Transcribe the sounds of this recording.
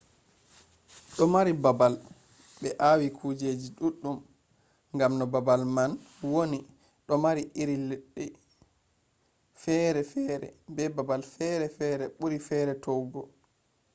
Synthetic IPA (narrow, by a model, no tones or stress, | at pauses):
ɗɔmaɾibabal | ɓɛʔawikʰud͡ʒed͡ʒiɗuɗːum | ŋɡamnɔbabalman | woni | ɗɔmaɾiiɾilɛɗːɛ | fɛɾɛfɛɾɛ̰bɛbabalfɛɾɛfɛːɾɛɓuɾifɛːɾɛtɔwɡɔ